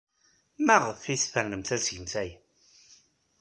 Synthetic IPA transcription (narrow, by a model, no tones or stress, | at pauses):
mæʁəfːisfəɾnəmθæsʝəmθæj